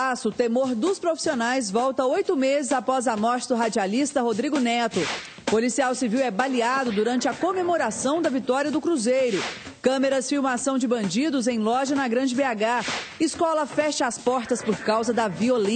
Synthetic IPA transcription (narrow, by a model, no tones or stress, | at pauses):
asʊt̪emoɾd̪ʊspɾofi̥sionajzvɔwt̪ɐojt̪ʊmezɪzapɔzɐmɔɾt͡ʃɪd̪ʊɦad͡ʒialist̪ɐɦod̪ɾiɡʊnɛt̪ʊ | polisiawsiviwɛbaliad̪ʊd̪uɾɐ̃nt͡ʃɪɐkomemoɾasɐ̃w̃d̪ɐvit̪ɔɾiɐd̪ʊkɾuzejɾʊ | kɐ̃meɾɐsfiwmasɐ̃w̃d͡ʒɪbɐ̃d͡ʒid̪ʊzẽj̃lɔʒɐnɐɡɾɐ̃d͡ʒɪbeaɡaiskɔlɐfɛʃɐaspɔɾt̪ɐspʊɾkawzɐd̪ɐviolẽ